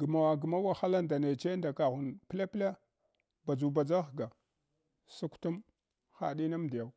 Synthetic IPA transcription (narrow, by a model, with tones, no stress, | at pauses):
ɡə˨ma˨wa˨ɡə˨ma˦wa˨xa˦la˦nda˨ne˨t͡ʃe˦nda˨ka˨ɣu˨npla˦pla˦ | ba˨d͡ʒu˨ba˨d͡za˦xɡa˨ | su˦ktu˦m | xa̰˨ɗi˦na˦m˨di˨ja˨w